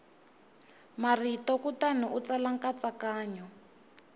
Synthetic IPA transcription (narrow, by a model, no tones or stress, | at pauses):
maritɔkutanuʔut͡salaŋkat͡sakaːɲɔ